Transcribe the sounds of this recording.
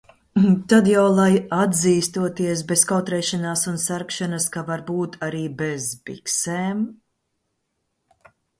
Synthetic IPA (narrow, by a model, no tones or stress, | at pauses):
t̪ad̪jawlˠajad̪ziːst̪uɔt̪iɛs̬beskawt̪ɾɛːʃanaːsunsæɾkʃanaskavaɾbuːt̪ʰaɾiːbezbḭksɛːm